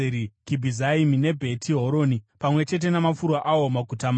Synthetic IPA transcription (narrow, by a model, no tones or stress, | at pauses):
ɾikibʱizaimine̞bʱe̞tʰiɦo̞ɾo̞ːnipamwe̞t͡ʃe̞t̬e̞namafuɾwaʔawo̞maɡʱutam